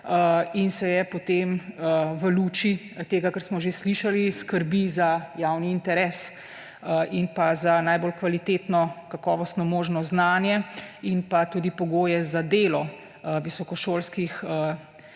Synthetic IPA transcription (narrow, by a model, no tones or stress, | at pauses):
əinsɛjɛpɔt̪eməʋəluːt͡ʃi | t̪eːɡakəɾsmɔʒesliʃaliskəɾbizajawniːnt̪ɛɾɛːs | əʔinpazanaːjbolkʋalit̪eːt̪nɔkakɔːʋɔst̪nɔmoːʒnɔznaːnjɛinpat̪uːd̪ipɔɡoːjɛzad̪eːlɔ | ʋisɔkɔʃoːlskixə